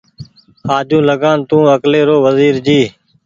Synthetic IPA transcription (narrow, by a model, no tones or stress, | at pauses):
haːd͡ʒũːləɡaːnt̪ũːəkleːɾoːʋəziːɾd͡ʒiː